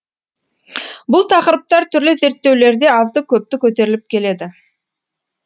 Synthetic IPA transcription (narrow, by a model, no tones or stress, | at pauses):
bʊlˠt̪ʰɑqəɾəp̚t̪ɑɾt̪ʰʏɾlɪze̞ɾt̪ːe̞wle̞ɾd̪e̞ɑzd̪əkʲʰɵp̚t̪ɪkʲʰɵt̪e̞ɾɪlɪp̚kʲʰe̞le̞d̪ɪ